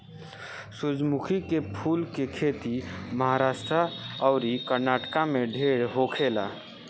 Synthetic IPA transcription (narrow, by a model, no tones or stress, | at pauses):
sud͡ʒmukʰikepʰuːlkekʰet̪iməɦaɾaːsʈɾaəʊɾikəɾnaːʈkameɖʱeːɾɦokʰela